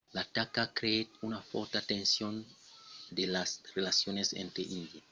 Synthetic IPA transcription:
lat̪akakɾeet̪unafoɾt̪at̪ẽnsjon | d̪elasrelasjonesḛnt̪ɾeʔind̪ja

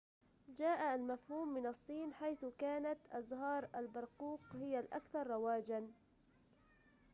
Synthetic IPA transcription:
d͡ʒaːʔaalmafhuːmːɪnɑsˤːiːnħajθkaːnat̪ʔɑzɦɑːɾˤʔalbɑɾˤquːqhɪjalʔakθɑɾˤːɑwaːd͡ʒan

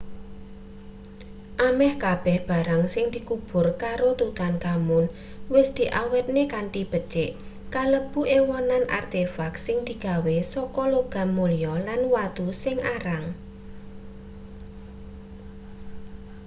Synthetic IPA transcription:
ʔamɛhkab̥ɛhb̥a̤ɾaŋsɪŋd̪̥ikub̥ʊ̤rkaɾot̪ut̪ankamʊn | wɪsd̪̥i̤ʔawɛt̪̚nekaɳʈib̥ə̥t͡ʃɪʔ | kaləb̥uʔewɔnanʔa̰rt̪efaksɪŋd̪̥i̤ɡ̥a̤wesɔkɔloɡ̥a̤mːulijɔlanwat̪usɪŋaɾaŋ

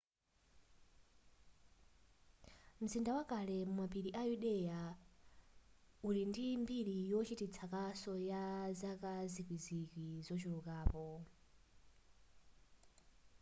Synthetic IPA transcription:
m̩zindawakalɛmumapiɾiʔajuɗɛja | ulindimbiɾijɔt͡ʃʰitit͡sʰakasɔjazakazikwizikizɔt͡ʃiɾukaːpɔ

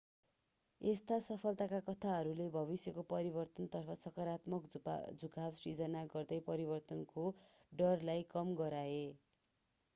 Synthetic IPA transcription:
est̪asʌpʰʌlt̪akakʌt̪ʰaɦʌɾulebʱʌβisjʌkopʌɾibʌrt̪ʌnt̪ʌrpʰʌsʌkʌɾat̪mʌkd͡zuɡabsrid͡zʌnaɡʌrd̪ʌjpʌɾibʌrt̪ʌnko | ɖʌrlajkʌmɡʌɾae

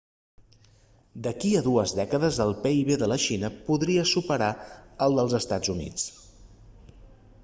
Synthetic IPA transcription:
d̪əkiəðuəzðɛkəðəzəlˠpeiβeðələʃinəpuðɾiəsupəɾaəlˠd̪əlˠzəst̪ad͡zunḭt͡s

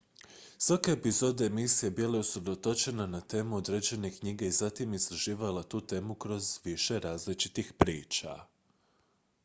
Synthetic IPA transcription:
sʋakaepizo̞d̪eemisijebileusɾe̞d̪ot̪o̞t͡ʃe̞nanat̪e̞ːmuo̞d̪ɾed͡ʑe̞ne̞kɲiɡe̞izat̪imizt̪ɾaʒiːʋalat̪uːt̪e̞ːmukɾo̞zʋiʃe̞ɾaːzlit͡ʃit̪ixpɾiːt͡ʃa̰

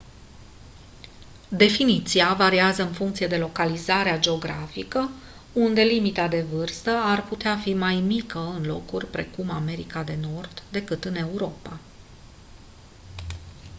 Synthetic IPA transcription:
d̪e̞finit̪siavaɾiazəɨnfuŋkt̪sije̞d̪e̞lo̞kalizaɾead͡ʒe̞o̞ɡɾafikə | und̪e̞limit̪ad̪e̞vɨrst̪əarput̪eafimajmikəɨnlo̞̰kurʲpɾe̞kumame̞ɾikad̪e̞no̞rd̪̥ːe̞kɨt̪ɨne̞uɾo̞pa

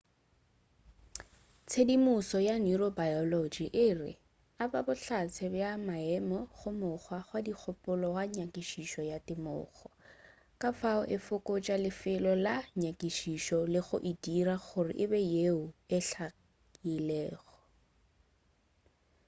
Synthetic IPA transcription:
t͡sʰedimusɔjaniɾɔbajɔlɔd͡ʒiʔɪrɪ̰ | ababʊɬat͡sʰɛbjamaɛmɔχʊmʊχwaχwadik͡xʰʊpʼʊlɔwaɲakʼiʃiʃɔjatɪmʊ̰ːχɔ | kafaʊʔɪfʊkʊt͡ʃʼalɪfɪlɔlaɲakiʃiʃɔlɪχʊ̰ʔidiraχʊrɪ̰ʔɪbɛjeʊɛɬa | ilɛːɣɔ̥

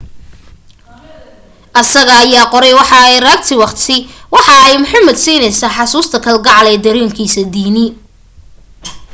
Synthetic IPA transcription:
ʔɐsɐɣɐːjaːqɔɾɛjwɑħɑɛjrɐk̚t̪ʰɪwɑqt̪ʰɪwɑħɑɛjmʊħɑmɐd̪siːnɛjsaːħɑsuːst̪ʰɐkʰɐlɡɑʕlɛːd̪ɐɾiːŋkʰiːsɐd̪iːnɪ

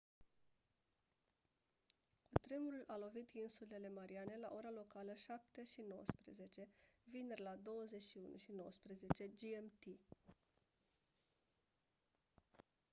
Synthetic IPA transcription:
kut̪ɾemuɾulʔalo̞vit̪insule̞le̞maɾiane̞la̰ʔo̞ɾalo̞kaləʃap̚t̪e̞ʃino̞wə̰spɾeze̞t͡ʃe̞vinerlad̪o̞wəze̞t͡ʃʃiunṵʃino̞wəspɾeze̞t͡ʃe̞d͡ʒiemt̪i

